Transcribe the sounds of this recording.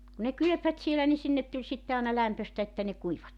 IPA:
ku ne kylø̆pʋæt sielæ ni sinːet tulʲ sitːe ɑːnɑ læmpøstæ etːæ ne kuiʋːɑt

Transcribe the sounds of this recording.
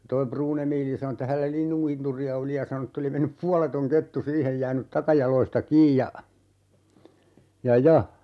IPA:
toi pruːn emiːli sɑno etːæ hælːæ linːuŋkinturiɑ oli jɑ sɑno tː oli menːyp puɑletoŋ ketːu siːhej jæːnyt tɑkɑjɑlˑoistɑ kiːj jɑ jɑ jɑ

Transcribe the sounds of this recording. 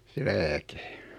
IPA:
se læːke

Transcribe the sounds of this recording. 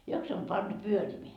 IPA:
jok se om pɑntu pyørimeæ

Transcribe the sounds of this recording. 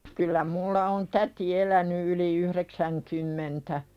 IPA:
kylːæ mulːɑ on tæti elæny yli yhreksæŋkymːentæ

